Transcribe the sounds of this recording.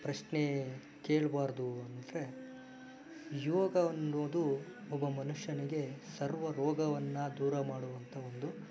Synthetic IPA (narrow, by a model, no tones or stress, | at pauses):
pɾɐʂne | keːɭbaːɾd̪uɐnd̪ɐɾe̞ | joːɡɐɐnːoːd̪u | ɔbɐmɐnuʂjɐniɡe̞sɐɾʋɐɾɔːɡɐʋɐnːɐd̪uːɾɐmaːɽuʋɐnt̪ʰɐond̪u